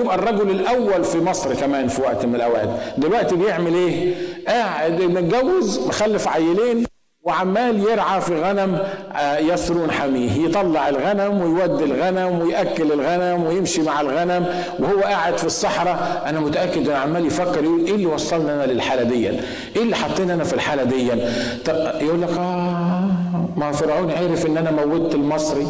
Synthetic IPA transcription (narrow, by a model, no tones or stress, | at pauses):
jɪbʔærˤːɑɡʊlɪlʔæwːælfimɑsˤɾkæmæːnfiwæʔt̪mɪnɪlʔæwæ̰ːd̪d̪ɪlwæʔt̪ibjeʕmɪlʔeːʔaːʕed̪ʔɪnːæɡæwːɪzbɪxælːɪfʕajːɪleːn | wɪʕamːæːljeɾʕafiɣænæm | jɑsɾuːnħamiːɦjt̪ˤɑlːɑʕɪlɣænæmwɪjwæd̪ːɪlɣænæmwɪjʔækːɪlɪlɣænæmwɪjɪmʃimaʕɪlɣænæm | wɪhʊwːæʔaʕɪd̪fisˤːɑħɾˤɑ | ʔanæmʊt̪aʔakːɪd̪ʔɪnːʕamːaːljfækːɪɾʔulʔeːlːiwɑsˤːɑlnʔanælɪlħaːlæd̪ɪjːæ̰n | ʔeːlːiħɑt̪ˤːiːnʔanæfilħaːlæd̪ɪjːænt̪ˤɑjʔuːlːækʔæː | mæfɑɾˤʕuːniʕaːɾɪfʔɪnːʔænæmæwːɪd̪̚t̪ɪlmɑsˤɾi